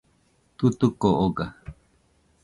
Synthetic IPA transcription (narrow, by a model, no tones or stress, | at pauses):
t̪ut̪ukoʔoɡa